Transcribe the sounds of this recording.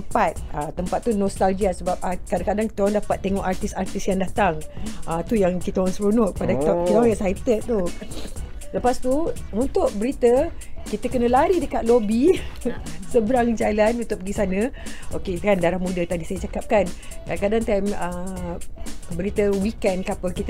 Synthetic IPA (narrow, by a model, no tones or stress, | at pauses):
əmpat̪̚ət̪ːəmpat̪ːunɔst̪alɡiasəbap̚akadakadaŋki̥t̪əaŋdapat̪ːeŋɔʔart̪isart̪ɪsjaŋdat̪aŋʔat̪ujaŋkit̪əaŋsəɾunɔʔpadakit̪kit̪aɛsajt̪ət̪t̪u | ləpast̪uunt̪ʊʔ̚bəɾit̪əkit̪əkənə̃laɾidəkaʔ̪̚lobi | səbəɾaŋd͡ʒalanunt̪ʊk̚pəɡisanãokekandaɾahmũdat̪adisajət͡ʃakap̚kankadakadaŋt̪amə | bəɾit̪əwikɛndkapəkit̪